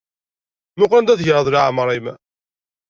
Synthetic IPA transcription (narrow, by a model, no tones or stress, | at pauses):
mʊqænd̪æðʝəʁəðˤlaʕmɾˤim